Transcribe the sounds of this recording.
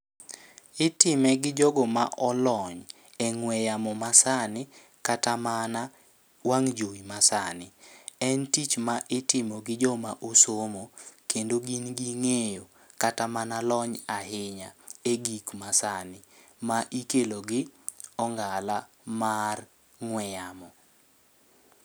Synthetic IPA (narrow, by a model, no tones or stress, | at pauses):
ɪtɪmɛɡɪd͡ʒɔɡɔma̰ʔɔlɔɲ | ɛŋwɛjamɔmasanɪ | katamana | waŋd͡ʒoimasanɪɛntit͡ʃmaʔɪtɪmɔɡɪd͡ʒɔmaʔosomokendoɡinɡiŋejo | katamanalɔɲaɦɪɲa̰eɡikmasanɪ | maʔikeloɡɪɔŋɡala | mar | ŋwɛjamɔ